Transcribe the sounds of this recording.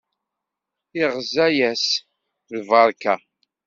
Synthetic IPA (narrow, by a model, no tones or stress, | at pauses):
ɪʁzæjæs | ðvɑɾˤkæ